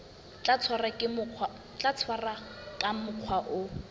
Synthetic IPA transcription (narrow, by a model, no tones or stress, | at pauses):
t͡ɬat͡sʰwarakʼɪ | t͡ɬat͡sʰwarakʼamʊq͡χʰwaʔʊ